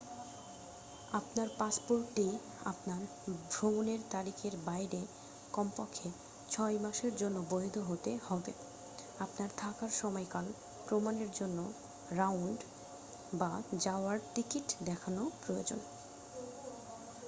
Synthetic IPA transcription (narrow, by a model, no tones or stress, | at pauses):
apnaɾpaspoɾʈːi | a̰pnaɾ | bʱɾomoneɾt̪aɾikʰeɾbajɾe | kɔmpɔkʰːe | t͡ɕʰɔjmaʃeɾd͡ʑonːobojd̪ʱoɦot̪ehɔbe | apnaɾt̪ʰakaɾʃɔmɔjkal | pɾomaneɾd͡ʑonːo | ɾawɳɖ | bad͡ʑaoaɾt̪ikiʈd̪ɛkʰanopɾoo̰d͡ʑo̰n